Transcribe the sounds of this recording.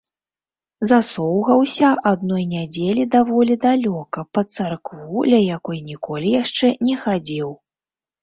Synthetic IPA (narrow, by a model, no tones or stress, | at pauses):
zasɔwɣɐwsʲɐʔad̪nɔjnʲad͡zʲelʲid̪avɔlʲid̪alʲɔkɐpɐt̪sarkvulʲɐjakɔjnʲikɔlʲijaʂt͡ʂɛnʲɛxad͡zʲiw